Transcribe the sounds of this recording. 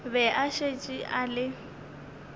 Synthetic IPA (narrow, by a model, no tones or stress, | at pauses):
bɛʔaʃet͡ʃʼiʔalɪ